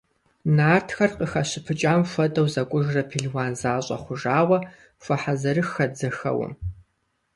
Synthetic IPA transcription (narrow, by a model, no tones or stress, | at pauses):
naːrtʰxɐrqʼəxɐɕɪpʰɨt͡ʃʼaːmfʷɐtʼɐwzɐkʷʼʊʒrɐpʰiɮwaːnzaːɕʼɐ̰χʷʊʒaːwɐ | fʷɐħazɐɾɨxɐd͡zɐxɐ̰wɐ̰m